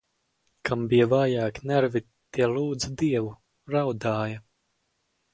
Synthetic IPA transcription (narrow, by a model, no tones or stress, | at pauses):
kʰambijɛvaːjaːknæɾvi | t̪iɛlˠuːd̪zd̪iɛvu | ɾawd̪aːja